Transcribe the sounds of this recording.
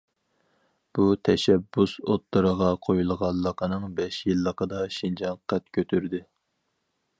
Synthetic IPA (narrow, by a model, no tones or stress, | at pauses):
b̥ut̪ʰɛʃɛbːusot̪ːɨɾəʁɑqʰojulˠʁɑlˠːəqʰənɨŋbɛʃjɨlˠːəqʰəd̪ɑʃind͡ʒɑŋqʰæt̪̚kʲʰøt̪ʰyɾd̪ɪ